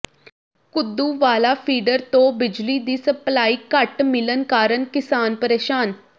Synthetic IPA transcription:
kʊd̪ːũːʋaːlaːpʰiːɖəɾt̪õːbɪd͡ʒliːd̪iːsəplaːiːkəʈmɪlənkaːɾənkɪsaːnpəɾeːʃaːn

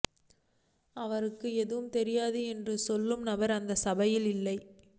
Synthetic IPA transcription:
ɐʋɐɾɯkːɯɛðɯʋɯmt̪ɛɾɪjaːðɯɛndrɯsɔlːɯmnɐʋɐɾɐnd̪ɐsɐbɐjɪlɪlːɐɪ

